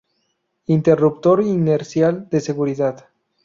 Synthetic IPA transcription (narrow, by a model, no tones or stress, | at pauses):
int̪erupt̪oɾineɾsjald̪eseɣuɾiðað